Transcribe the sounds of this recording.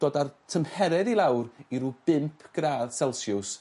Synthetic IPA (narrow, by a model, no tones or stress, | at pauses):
d̥oːdartʰəmhɛɾɛdilˠawriɾub̥ɪmpʰɡ̥raːðsɛlˠsjʊs